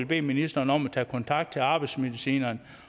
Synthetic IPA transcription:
lb̥e̝̰ːminisd̥ɐːnɒ̽mæt͡sʰɛ̰ːkʰɒ̽nt͡sʰɑ̈ɡ̥̚d̥̚t͡sʰe̝lɑ̈ːb̥ɑ̈ɪd̥sme̝ðˠisḭːnɐːn

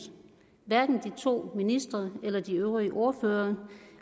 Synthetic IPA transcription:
ʋæɐɡ̥n̩d̥it͡sʰo̝̰ːminisd̥ʁɐelɐd̥iøʊʁiəʔo̝ɐføːɐ

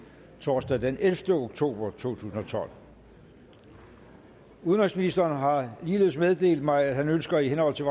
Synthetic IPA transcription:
t͡sʰoːsd̥æd̥enelfd̥əoɡ̥t͡sʰo̝̰ːb̥ɐt͡sʰo̝̰ːt͡sʰṵːsn̩ɒ̽t͡sʰɒ̽l̰ | uðˠnʁelsminisd̥ɐːnɦɑ̈liːle̝ð̰ˠsmeð̞ˠd̥e̝̰ːld̥mɑ̈ɪæd̥ɦhænønsɡ̥ɐiɦenhɒ̽l̰t͡sʰe̝ʋ

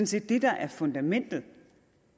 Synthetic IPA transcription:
n̩se̝̰ːd̥ːe̝d̥ɑ̈ʔæɐfɔ̽nd̥æmen̰d̥l̩ˠ

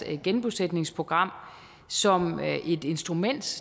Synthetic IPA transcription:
ɡ̥enb̥used̥ne̝ŋspʰo̝ɡ̥ʁɑ̈m̰ | sɒ̽mʔe̝d̥e̝nsd̥ʁumen̰d̥

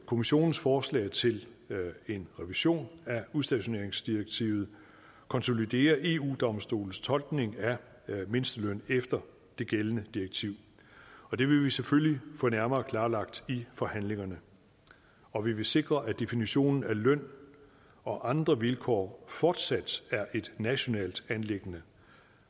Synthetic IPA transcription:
kʰo̝miɕo̝̰ːnn̩sfɒːslɛ̰ːɪt͡sʰe̝l | e̝nʁɛʋiɕo̝̰ːnæuðˠsd̥æɕo̝ne̝ɐeŋsd̥iɐɡ̥̚t͡sʰḭːʊð̩ˠ | kʰɒ̽nso̝lid̥e̝̰ːɐʔe̝ṵːd̥ɒ̽msd̥o̝̰ːln̩st͡sʰɒ̽lɡ̥ne̝ŋæ | me̝nsd̥əlœn̰efd̥ɐ | d̥e̝ɡ̥elənəd̥iɐɡ̥t͡sʰiʊ̰ | ɒ̽d̥e̝ʋe̝ʋiseføllifɔ̽ːnæɐmɐːkʰl̥ɑ̈ːlɑ̈ɡ̥̚d̥ifɒ̽hæn̰le̝ŋɐnə | ɒ̽ʋiʋe̝se̝ɡ̥ʁɐʔæd̥e̝finiɕo̝̰ːnn̩ælœn̰ | ɒ̽ʔɑ̈nd̥ʁɐʋilkʰɒ̰ːfɒːd̥sæd̥æɐʔe̝d̥næɕo̝nɛ̰ːld̥ænle̝ɡ̥ənə

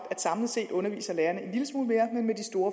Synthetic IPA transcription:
æd̥sɑ̈mləse̝̰ːd̥ɔ̽nɐʋḭːsɐlæːɐnəe̝nliləsmuːlme̝ːɐmennmed̥isd̥o̝ːɐ

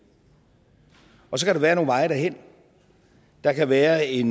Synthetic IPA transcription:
ɒ̽s̬ɒ̽kʰæɾeʋæːɐno̝ːnʋɑ̈ɪɾæɦen̰ | d̥ɑ̈kʰæʋæːɐe̝n

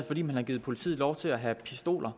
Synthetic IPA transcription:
fɒdɾḭːmænhɑ̈ɡ̥iːð̩ˠpʰo̝lit͡sʰḭːlɒʊt͡sʰe̝læɦæpʰisd̥o̝̰ːlʔɐ

